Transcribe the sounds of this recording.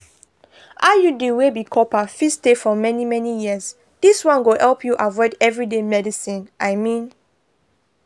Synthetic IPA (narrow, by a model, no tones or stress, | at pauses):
ʔajuduwebikʰɔpafistefɔmɛnimɛnijiəs | d̥iswãnwohɛlpʰjuʔavɔɪdɛvɹidemɛdisĩnʔaɪmĩn